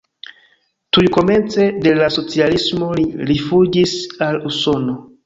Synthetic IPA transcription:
tujko̞me̞nt͡se̞de̞laso̞t͡sialismo̞liɾifud͡ʒisaluso̞no̞

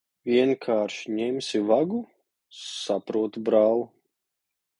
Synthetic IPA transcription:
vʲiɛnkʰaːɾʃɲɛmʲsʲivaɡu | sapɾuɔt̪bɾaːlˠu

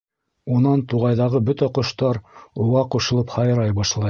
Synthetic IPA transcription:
unɑnt̪uʁɑjðɑʁɤbɵt̪æqŏʃt̪ɑɾuʁɑquʃɤ̆lˠɤphɑjɤ̆ɾɑjbɑʃlˠɑj

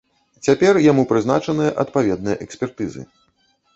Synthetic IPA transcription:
t͡sʲapʲɛrjamupɾɨzna̰t͡ʂɐnɨjɐʔɐt̪̚pavʲɛd̪̚nɨjɐ̰ʔɛksʲpʲɛrt̪ɨzɨ̰

